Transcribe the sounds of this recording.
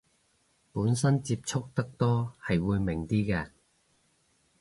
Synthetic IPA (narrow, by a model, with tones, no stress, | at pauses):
puː˨˥nsɐ˥nt͡siː˧p̚t͡sʰʊ˥k̚t̪ɐ˥k̚t̪ɔː˥hɐ˨jwuː˨˧jmɪ˨˩ŋt̪iː˥kɛː˧